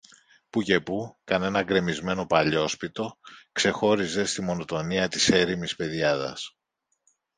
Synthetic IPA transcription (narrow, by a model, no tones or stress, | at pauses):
puce̞pukɐne̞nɐɡɾe̞mizme̞no̞pɐʎo̞spit̪o̞kse̞xo̞ɾize̞st̪imo̞no̞t̪o̞niɐt̪ise̞ɾimispe̞ðjɐðɐ̰s